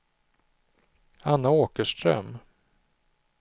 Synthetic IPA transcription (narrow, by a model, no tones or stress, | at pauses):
anːaoːkəʂt̪ɾœ̰m